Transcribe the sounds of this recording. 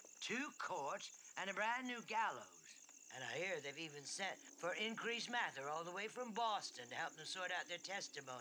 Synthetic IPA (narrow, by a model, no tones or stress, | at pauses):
tʰʉkʰɔɹɾ | ʔɨ̃nɨbɹæ̃nːʉɡælˠoʊz̥ | ʔɨ̃naɪhiɹðeɪvivɨ̃nsɛ̃nt | fə˞ɪ̃nkʰɹ̥ismæθə˞ɔlˠðəweɪfɹʌ̃mbɔstɨ̃nhɛlˠp̚ðə̃msɔɹɾaʊt̪̚ðə˞tʰɛstɨmõʊ̃ni